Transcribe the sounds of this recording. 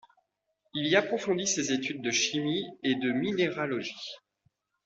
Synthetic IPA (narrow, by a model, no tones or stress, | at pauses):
iliapχɔfɔ̃d̪isezet̪yd̪̚ːəʃimied̪əmineʁalɔʒi